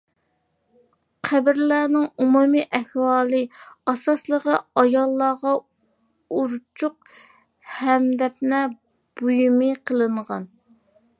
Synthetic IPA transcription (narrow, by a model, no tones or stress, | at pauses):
qʰæbɪɾlæːnɪŋumumiʔɛhwɑːlˠɨɑsɑslˠəʁəɑjɑlˠːɑʁɑ | uɾt͡ʃʰuq | hɛmd̪ɛpnɛ | b̥ujumɨqʰəlˠɨɴʁɑn